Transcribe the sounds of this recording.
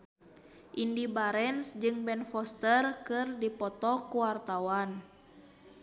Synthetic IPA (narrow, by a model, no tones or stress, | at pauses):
ʔindibaɾɛnsd͡ʒɨŋbɛnfɔst̪ərkɨrdipɔt̪ɔkuwart̪awan